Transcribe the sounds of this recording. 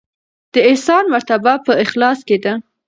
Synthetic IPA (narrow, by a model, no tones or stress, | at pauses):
d̪̥əɪsɑnmaɾt̪abapəɪxlɑsked̪a